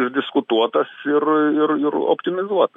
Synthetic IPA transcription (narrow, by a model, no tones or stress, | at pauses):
ɪʒʲdʲɪskʊt̪uɔt̪ɐsɪrɪɾɪɾo̰pʲt̪ʲɪmʲɪzuɔt̪ɐ